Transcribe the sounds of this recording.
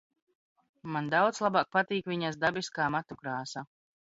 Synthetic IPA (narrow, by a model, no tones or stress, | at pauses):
mand̪awd̪slˠabaːk̚pat̪iːkvʲiɲas̬d̪abiskaːmat̪ukɾaːsa